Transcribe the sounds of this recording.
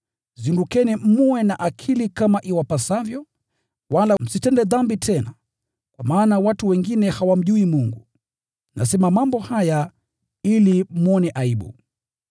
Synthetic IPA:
zindukɛnim̩uwɛnaʔakʰilikamaʔiwapasavjɔ | walam̩sitɛndɛðambitʰɛna | kwamaːnawatuwɛŋɡinɛhawam̩ʄuimuŋɡu | na̰sɛmamambɔhaja | ilimuɔnɛʔaiɓṵ

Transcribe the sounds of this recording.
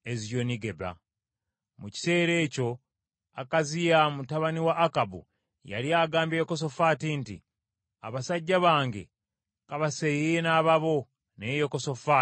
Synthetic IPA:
ezijo̞niɡe̞ba̰ | muci̥se̞ːɾe̞ːco̞ | akazijamutaβaniwaʔːkabṵ | ja̰liaːɡaːmbejokos̬o̞fatintḭ | a̰βasaɟːaβaːŋɡe̞̰ | kaβasejejenaːβaβo̞ | nejoko̞sofa

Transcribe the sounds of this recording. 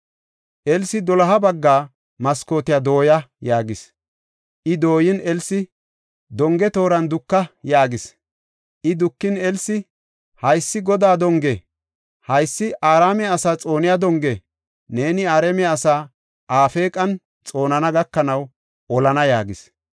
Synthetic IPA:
ʔɛlsɪd̪ɔlɐɦɐbɐɡːaː | mɐsko̞ːt̪ɪjad̪o̞ːjɐjaːɡɪs | ʔɪd̪o̞ːjɪnɛlsɪ | d̪ɔŋɡɛt̪o̞ːɾɐnd̪ʊkːɐjaːɡɪs | ʔɪd̪ʊkːɪnɛlsɪ | hɐjsːɪɡɔd̪aːd̪ɔŋɡɛ | hɐjsːɪʔaːɾaːmɛɐsaːt͡sʼo̞ːnɪjad̪ɔŋɡɛ | ne̞ːnɪaːɾɛmɛɐsaː | ʔaːfe̞ːkʼɐn | t͡sʼo̞ːnɐnɐɡɐkːɐnɐw | ɔlɐnɐjaːɡɪs

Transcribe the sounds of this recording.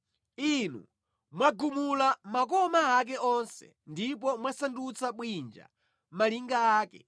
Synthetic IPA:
inṵ | mwaɡumulamakɔmaːk̬ɛʔɔnsɛ̰ | ndip̬ɔmwasandut͡saɓwind͡ʒa̰ | maliŋɡaaːkɛ̰

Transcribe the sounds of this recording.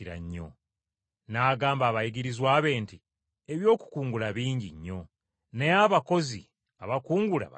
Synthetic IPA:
iɾa̰ɲːo̞̰ | naːɡaːmbaːβajiɡiɾizwaːβe̞ːnti | e̞βjo̞ːku̥kuːŋɡulaβiːɲɟiɲːo̞ | ne̞aβako̞zi | aβakuːŋɡula̰a

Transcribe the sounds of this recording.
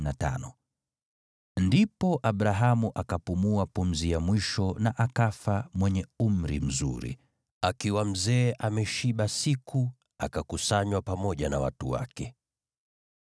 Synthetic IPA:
nata̰nɔ | ndipɔʔaɓɾaɦamuʔakapumuapum̩zijamwiʃɔnaʔakafamwɛɲɛum̩ɾim̩zṵɾḭ | akiwam̩zɛːʔamɛʃiɓasiku | a̰kakusaɲwapamɔʄanawa̰tṵwa̰kɛ

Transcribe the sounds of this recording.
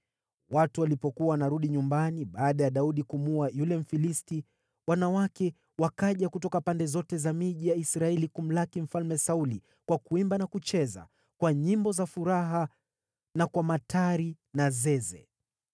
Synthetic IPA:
watuwalipɔkuawanaɾuɗiɲumbaniɓaːɗajaɗauɗikumuajulɛm̩filisti | wanawakɛ | wakaʄakutɔkapandɛzɔtɛzamiʄijaisɾaɛlikum̩lakim̩falmɛsauli | kwakuimbanakut͡ʃɛza̰ | kwaɲimbɔzafuɾaɦa | nakwamatʰaɾi | nazɛzɛ̰

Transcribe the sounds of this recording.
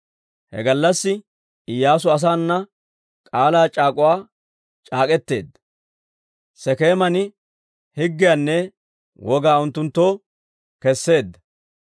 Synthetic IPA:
hɛ̰ɡɐlːɐsːɪ | ɪjːaːs̬ʊɐs̬aːnːɐ | kʼaːlaːt͡ʃʼaːkʼʊwaː | t͡ʃʼaːkʼɛt̪ːe̞̰ːd̪ːɐ | sɛke̞ːmɐnɪ | hɪɡːɪjanːɛ | wʔɔɡaːʊnt̪ːʊnt̪ːoː | kɛsːe̞ːd̪ːɐ

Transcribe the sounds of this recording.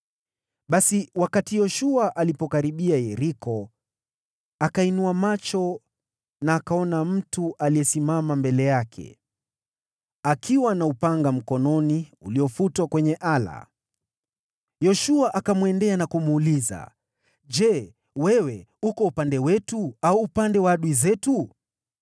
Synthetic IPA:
ɓasiwakatijɔʃuaʔalipɔkaɾiɓiajɛɾikɔ | akainuamat͡ʃɔ | naːkaɔnam̩tuʔaliɛsimamambɛlɛjakʰɛ̰ | akʰiwanaupaŋɡam̩kɔnɔniuliɔfutwakwɛɲɛʔala̰ | jɔʃuaʔakamwɛndɛanakumuːliza̰ | ʄɛ | wɛwɛ | ukɔupandɛwɛtuauːpandɛwaɗuizɛtu

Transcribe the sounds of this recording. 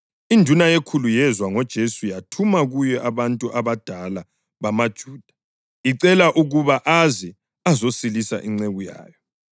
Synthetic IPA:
indʱunajekʰulujɛzwaŋɔd̥ʒ̥ʱesujatʰumaɣujɛʔaβantʼuʔaβad̥ʱala | βamad̥ʒ̥ʱuːd̥ʱḁ | iǀɛlaʔuɣuβaʔazɛ | azosilisa̰ʔiŋ͡ǀeɣuja̰ːjɔ

